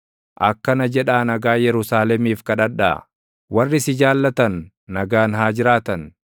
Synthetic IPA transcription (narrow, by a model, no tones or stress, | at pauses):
ʔɐkːɐnɐd͡ʒɛᶑaːnɐɡaːjɛɾʊsaːlɛmiːfkɐᶑɐᶑa̰ | wɐrːɪsɪd͡ʒaːlːɐt̪ɐnː | ɐɡaːnɦaːd͡ʒɪɾaːt̪ɐn